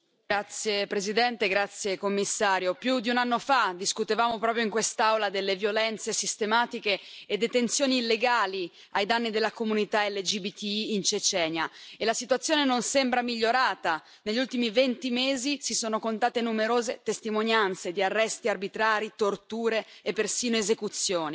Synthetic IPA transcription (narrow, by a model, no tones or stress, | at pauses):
ɡɾat̪sːjepɾezid̪ɛnt̪eɡɾat̪sːjekomːisːaːɾjopjud̪iunanːofad̪iskut̪evaːmopɾɔpɾjoiŋkwest̪aawlad̪elːevjolɛnt̪sesist̪emaːt̪ikeːd̪ːet̪ensjoːniːlːeɡaːli | ajd̪anːid̪elːakomunit̪aɛlːed͡ʒibit̪iːnt͡ʃet͡ʃɛːnjaelasit̪uwat̪sːjoːnenonsɛmbɾamiʎːoɾaːt̪a | neʎːult̪imivent̪imeːzisisoːnokont̪aːt̪enumeɾoːzet̪est̪imonjant̪sed̪iarːɛst̪iarbit̪ɾaːɾit̪ort̪uːɾeːpːersiːnoezekut̪sːjoːni